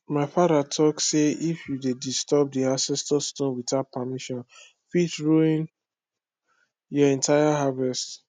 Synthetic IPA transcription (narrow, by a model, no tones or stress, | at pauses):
maɪfadatʰɔkseifjudedistɔb̚diasɛstɔstõnwitapamiʃɔ̃n | fitɹoĩn | jɔɛ̃ntajaɦavɛst